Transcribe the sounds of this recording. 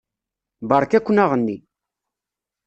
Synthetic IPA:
baɾkekʷunaʁəndi

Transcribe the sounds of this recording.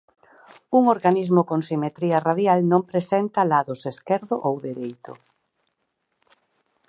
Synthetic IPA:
uŋoɾɣanizmʊkoŋsimet̪ɾiɐraðjalnõmpɾesɛnt̪ɐlaðʊseskɛɾðʊʔowðeɾejt̪ʊ̰

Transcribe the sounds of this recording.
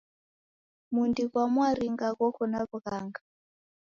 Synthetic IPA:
mundikwamwaɾiŋɡakɔkʰɔnakukaŋɡa

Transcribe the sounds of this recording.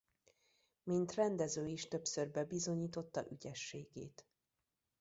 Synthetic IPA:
mint̪rɛnd̪ɛzøːiʃt̪ø̞psørbɛbizo̞ɲiːt̪o̞t̪ːɒ̰ʔyɟɛʃːeːɡḛːt̪

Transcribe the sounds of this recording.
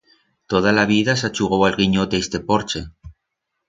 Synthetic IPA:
t̪oð̞alaβiðasat͡ʃuɣowalɣiɲot̪est̪e̞poɾt͡ʃe

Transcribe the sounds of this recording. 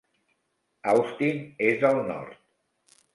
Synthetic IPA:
awst̪inezəlˠnɔ̰ɾt̪̚

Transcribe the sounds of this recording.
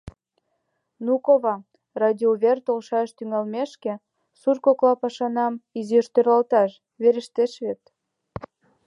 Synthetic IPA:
nukoβɑ | rɑd̪ʲioβert̪olʃɑʃt̪yŋɑlmeʃkĕ | surkoklɑpɑʃɑnɑmiziʃt̪øɾɑlt̪ɑʃ | βeɾə̆ʃt̪eʃβet̪

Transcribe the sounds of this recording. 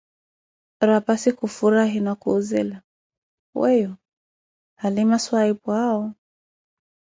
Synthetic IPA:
ɾapasikufuɾaɦinakuːzḭla | wɛjɔ | halimaswaipwaɔ

